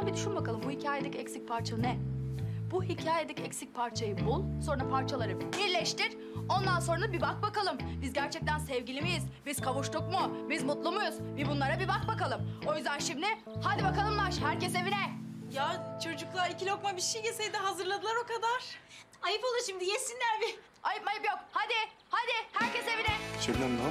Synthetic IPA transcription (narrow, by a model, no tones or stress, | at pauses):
bid̪yʃynbakʰalˠɯmbuhicʰaːjed̪ɛcɛcsic̚pʰaɾt͡ʃʰaɯnɛ | buhicʰaːjed̪ɛcɛcsic̚pʰaɾt͡ʃʰajɯbulˠso̞nɾapʰaɾt͡ʃʰalˠaɾɯbiɾlʲɛʃt̪iɾ̥ | o̞nd̪anso̞nɾaabibak̚bakalˠɯmbizɟæɾt͡ʃʰɛc̚t̪ʰænsɛvɟilʲimijizbiz̥kʰaβuʃt̪ˠuk̚mʊbizmut̪lˠumujuzbibunlˠaɾabibak̚bakalˠɯmo̞jyzd̪ænʃimd̪ʲɪ | had̪ibakalˠɯmnˠaʃhæɾcɛs̬e̞vinɛjat͡ʃʰo̞d͡ʒuklˠaɾicilʲokmabiʃijɟesejd̪ɛɦazɯɾlˠad̪ɯlˠaɾo̞kad̪aɾ̥ | ajɯpolˠuɾʃimd̪ijesinlʲæɾbɪ | ajɯpmajɯpjok̚had̪ɪ | had̪ɪhæɾcese̞vinɛt͡ʃevnɛmna